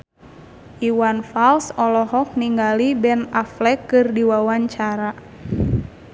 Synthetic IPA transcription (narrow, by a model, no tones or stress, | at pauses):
ʔiwanfalsɔlɔɦɔk̚niŋɡalibɛnaflɛkːɨrdiwawaɲt͡ʃaɾa